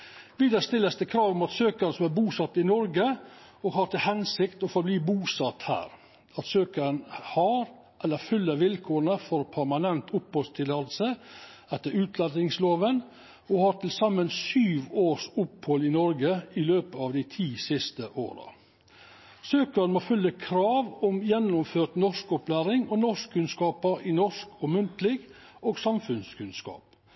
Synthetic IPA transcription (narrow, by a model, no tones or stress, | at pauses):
ʋiːd̪əst̪ɪlːəst̪əkʰɾɑːʋmut̪søːkəɾəsɔmæɾbuːsɑt̪ːɪnɔɾɡə | ɔɡɦɑɾt̪ɪlhɛnsɪkt̪ɔfɔɾbliːbuːsɑt̪hæ̰ːɾ | ɑt̪søːkəɾənhɑːɾ | ʔɛlːəɾfʏlːəɾʋɪlkʰoːɾənəfɔɾpʰæɾmɑnɛnt̪ʊphɔlst̪ʰɪlɑlsəɛt̪ːəɾʉːt̪ʰlɑd̪ɪŋsloːʋən | ɔhɑːɾt̪ʰɪlsɑmːənsyːʋoːʂʊphɔlɪnɔɾɡəɪløːpəɑʋd̪ɪt̪ʰiːsɪst̪əʔo̰ːɾɑ̰ | søːkəɾnmoːfʉlːəkʰɾɑːʋɔmjɛnːʊmføːt̪nɔʂkɔplæːɾɪŋɔnɔʂkkʰːʉnskɑːpəɾʔɪnɔʂkɔmʉnt̪lɪɡ | oːɡsɑmfʉnskʉnskɑ̰ːp